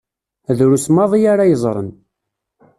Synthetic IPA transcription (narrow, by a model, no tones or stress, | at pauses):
ðɾusmɑðˤijaɾajəzˤɾˤə̰n